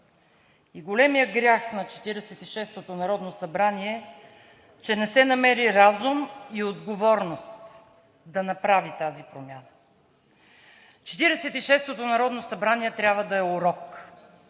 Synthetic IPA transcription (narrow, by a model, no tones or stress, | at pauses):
iɡolɛmijəɡɾʲaxnɐt͡ʃɛ̥t̪iɾɛsɛt̪iʃɛst̪ot̪onɐɾɔd̪nosɐbɾaniɛ | t͡ʃɛnɛsɛnɐmɛɾiɾazumiod̪ɡovɔɾnost̪ | d̪ɐnɐpɾavit̪azipɾomʲjanə | t͡ʃɛ̥t̪iɾɛsɛt̪iʃɛst̪ot̪onɐɾɔd̪nosɐbɾaniɛt̪ɾʲabvəd̪ɐɛoɾɔk